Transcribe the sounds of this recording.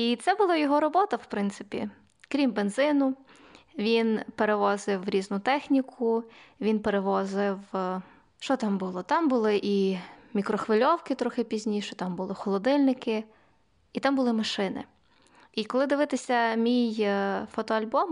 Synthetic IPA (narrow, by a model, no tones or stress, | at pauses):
it̪sɛbʊlˠɑjɔɦɔɾɔbɔt̪ɐwpɾɪnt̪sɪ̥pʲḭ | kɾʲimbenzɪnʊ | ʋʲinpeɾeʋɔzɪwɾʲiznʊt̪ɛxnʲikʰʊʋʲinpeɾeʋɔzɪw | ʃt͡ʃɔt̪ɑmbʊlˠɔt̪ɑmbʊlˠɪʔimʲikɾɔxʋɪlʲɔwkɪt̪ɾɔxɪpʲizʲnʲiʃɛt̪ɑmbʊlˠɪxɔlˠɔd̪ɪlʲnɪkɪ | it̪ɑmbʊlˠɪmɐʃɪnɪ̰ | ikɔlˠɪd̪ɪʋɪt̪ɪsʲɐmʲijfɔt̪ɔɐlʲbɔm